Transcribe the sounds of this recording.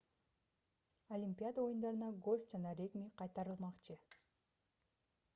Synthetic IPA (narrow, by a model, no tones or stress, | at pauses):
olʲimʲpʲijad̪ao̞jund̪ɑɾɯnɑɡo̞lʲfd͡ʒɑnɑɾʲeɡmʲiqʰɑjt̪ɑɾɯlˠmɑqt͡ʃɯ